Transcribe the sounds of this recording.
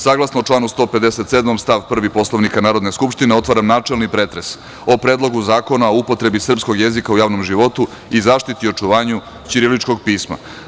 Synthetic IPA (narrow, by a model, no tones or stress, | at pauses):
saːɡlˠasnoːt͡ʂlˠaːnust̪o̞ːpe̞d̪eset̪sed̪momst̪aʋpr̩ʋipo̞slˠoʋnikanaːɾod̪neskupʃt̪ineo̞t̪ʋaɾamnaːt͡ʂelnipɾeːt̪ɾes | o̞pɾeːd̪lˠo̞ɡuzaːko̞naoupo̞t̪ɾe̞bisr̩psko̞ɡjezikaujaːʋnomʒiʋo̞t̪u | izaːʃt̪it̪io̞t͡ʂuʋaːɲu | t͡ɕiɾilit͡ʃko̞ɡ̚piːsma̰